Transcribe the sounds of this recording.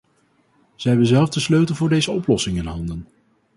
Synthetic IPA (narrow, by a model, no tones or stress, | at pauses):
z̥ɛɦɛbənzɛlˠvdəsløɥtəlˠvʊːɹdejzəɔplɔsɪŋɪnɦɑndən